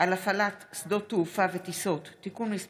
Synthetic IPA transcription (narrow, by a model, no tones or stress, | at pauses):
alafalat̪sd̪ot̪ːuufavet̪iso̞t̪ːikunmis